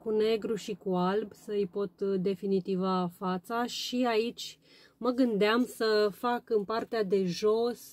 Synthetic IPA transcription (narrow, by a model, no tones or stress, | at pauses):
kune̞ɡɾuʃikualbsəɨjpo̞t̪d̪e̞finit̪ivafat̪saʃiait͡ʃʲ | məɡɨnd̪eamsəfakɨnpart̪ead̪e̞ʒo̞s